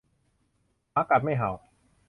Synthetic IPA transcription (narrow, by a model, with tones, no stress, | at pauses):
paː˦˥ka˨˩ma˥˩jɦa˨˩˦w